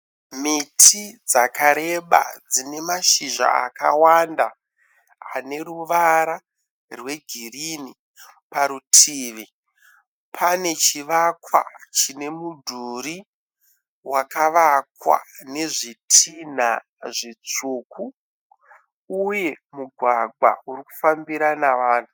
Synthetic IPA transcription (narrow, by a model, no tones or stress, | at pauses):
mitʰid͡zakaɾe̞ɓa̰d͡zine̞maʃiʒa̰a̰ka̰wanda̰ː | ne̞ɾuʋaɾa | rwe̞ɡʱirini | paɾutʰiːʋi | pʰane̞t͡ʃiʋakwa̰t͡ʃine̞mudʱuɾi | wakaʋakwa̰ne̞ʐitʰin̤a̰ | ʐit͡ʂuːku | je̞ | muɡʱwaɡa̰uɾiku̥fambiɾanaʋaːn̤u